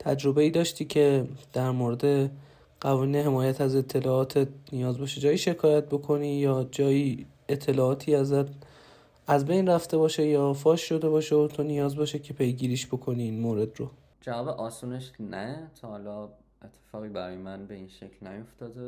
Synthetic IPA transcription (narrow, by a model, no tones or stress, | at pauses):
t̪ʰæd͡ʒɾo̞be̞iːd̪ɒːʃt̪iːcʰe̞d̪̥æɾmoɾed̪e̞ | ɢ̥ævɒːniːnɦe̞mɒːjæt̪ʰæze̞t̪ʰːe̞lɒːɒːt̪ʰet̪̚nijɒːzbɒʃed͡ʒɒːjiːʃe̞kʰɒːjæt̪̚bo̞kʰo̞niːjɒːd͡ʒɒːjiː | et̪ʰːe̞lɒːɒːt̪ʰiæzæt̪ | æzbe̞jnræft̪e̞bɒːʃe̞jɒːfɒːʃʃo̞d̪e̞bɒːʃeot̪ʰonijɒːzbɒʃecʰe̞pʰe̞jɟiːɾiːʃbo̞kʰo̞niiːnmoːɾe̞d̪ro | d͡ʒævɒːbeʔɒːsuːneʃnæt̪ʰɒhɒlɒː | et̪ʰːe̥fɒːɣiːbæɾɒːjemænbeinʃecʰlnæjoft̪ɒːd̪e